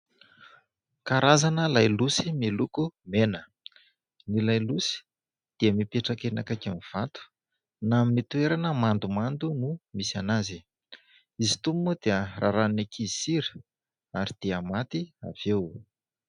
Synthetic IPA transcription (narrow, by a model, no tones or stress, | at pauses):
kaɾazanəlajlusimilukumenə | nilajlusi̥ | d̪̥iəmipeʈ͡ʂakenakakamiv̥at̪u̥ | namit̪ueɾanəmand̪umand̪unumisianazi | izit̪ummud̪̥iərʔaɾannakʰisiɾi̥ | aɾid̪̥iəmat̪ia̰v̥ew